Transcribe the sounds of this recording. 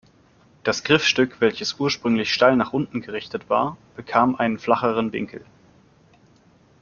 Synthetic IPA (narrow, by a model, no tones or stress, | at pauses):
d̥asɡ̥ʁɪfʃtʏkv̥ɛlçəsʔuːɐʃpʁ̥ʏŋlɪçʃtaɪlnaːχʔʊntn̩ɡəʁɪçtətv̥a̰ːɐb̥əkʰaːmʔaɪnənflaχəʁ̞ənvɪ̰ŋkʰl̩